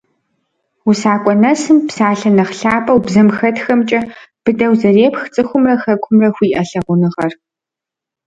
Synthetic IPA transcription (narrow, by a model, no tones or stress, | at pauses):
usaːkʷʼɔnɐsɨmpsaːɬɐnɐχɬaːpʰʼɐwbzɐmxɐtxɐmt͡ʃʼɐb̥ɨdɐwzɐreːpxt͡sʼɨxʷʊmrɐxɐkʷʰʊmrɐxʷiːʔɐɬɐʁʷʊnɨʁɐr